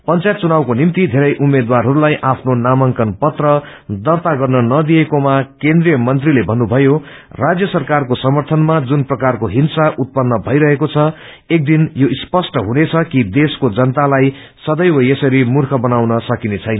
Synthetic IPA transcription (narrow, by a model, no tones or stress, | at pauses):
pʌnt͡sajt̪̚t͡sunawkonimt̪id̪ʱeɾʌjʔumːed̪warɦʌɾulajʔapʰnonamʌŋkʌnpʌt̪rʌd̪ʌrt̪aɡʌrnʌnʌd̪ijekomakend̪rijʌmʌnt̪rilebʱʌnːubʱʌjo | rad͡zjʌsʌrkarkosʌmʌrt̪ʰʌnmad͡zunprʌkarkoɦinsaʔut̪̚pʌnːʌbʱʌjɾʌɦekot͡sʰʌ | ek̚d̪injoispʌsʈʌɦunet͡sʰʌkid̪eskod͡zʌnt̪alaj | sʌd̪ʌjwʌesʌɾimurkʰʌbʌnawnʌsʌkinet͡sʰʌjnʌ